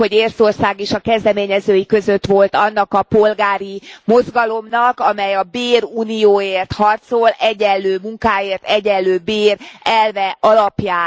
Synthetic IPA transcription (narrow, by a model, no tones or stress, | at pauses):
o̞ɟeːrso̞rsaːɡeʃɒkɛzd̪ɛmeːɲɛzøːjikø̞zøt̪ʋo̞lt̪ɒnːɒkɒpo̞lɡaːɾimo̞zɡɒlo̞mnɒkɒmɛjɒbeːɾuːnijoːeːrt̪hɒrt̪so̞lɛɟɛlːøːmuŋkaːjeːrt̪ɛɟɛlːøːbeːrɛlvɛʔɒlɒpjaː